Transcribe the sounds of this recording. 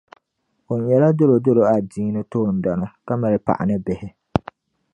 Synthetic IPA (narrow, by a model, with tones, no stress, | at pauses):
ʊ˨njɛ˨la˦do˦ɾo˨do˦ɾo˨a˨diː˦nɪ˦toː˦˨n˨da˨na˨ka˦ma˨ɾɪ˨pa̰˨ʔa̰˨nɪ˦bɪ˨hɪ˦